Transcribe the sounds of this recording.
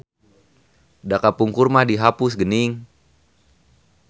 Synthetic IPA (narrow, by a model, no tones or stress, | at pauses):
dakapuŋkurmadiɦapusɡəniŋ